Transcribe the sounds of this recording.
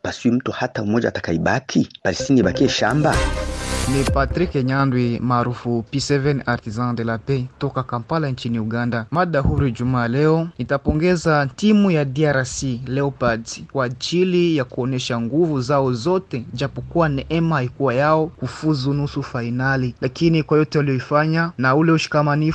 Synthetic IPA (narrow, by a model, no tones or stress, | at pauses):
pasiim̩tuhataumɔd͡ʒa̰tḁkaiɓakʰipalistiniiɓakiɛʃa̰mba̰ | nipatɾikɛɲandwimaːɾufupisɛvɛnaɾtizãndɛlapɛtɔkakampalant͡ʃiniuɡandamaɗahuɾid͡ʒumaːlɛɔnitapɔŋɡɛzatimujadiaɾasilɛɔpadkwaːt͡ʃilijakuɔnɛʃaŋɡuvuzaɔzɔtɛd͡ʒapɔkuwanɛʔɛmahaikuwajaɔkufuzunusufainalilakinikwajɔtɛwalijɔifaɲanaulɛuʃi̥kamani